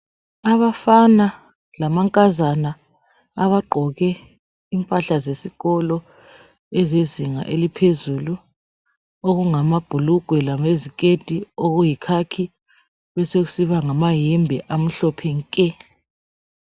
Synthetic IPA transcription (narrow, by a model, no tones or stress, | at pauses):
aβafana | lamaŋkʼazanaː | βaǃʱɔɣɛ | impʼaɬazesiɣɔlɔ | ɛzeziŋa̰ʔelipʰezulu | oɣuŋamab̥ʱuluɡ̥ʱwɛlameziked̥ʼʱioɣujikʰakʰi | βɛsoɣu̥siβaŋamajimbʱɛʔam̩ɬɔpʰɛŋkʼɛ